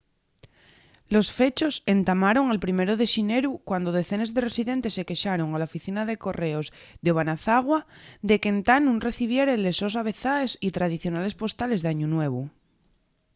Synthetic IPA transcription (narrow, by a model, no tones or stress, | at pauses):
lo̞sfe̞t͡ʃo̞se̞nt̪amaɾo̞ŋalpɾime̞ɾoð̞e̞ʃineɾukwand̪oð̞e̞θenezðeresiðent̪e̞sːe̞ke̞ʃaɾo̞ŋalaofiθinaðe̞ko̞re̞oz | ðeoβ̞anaθaɣ̞wad̪e̞ke̞nt̪anũŋre̞θiβ̞je̞ɾele̞so̞saβ̞e̞θaesit̪ɾað̞iθjo̞nale̞spo̞st̪ale̞zðaɲunwe̞β̞u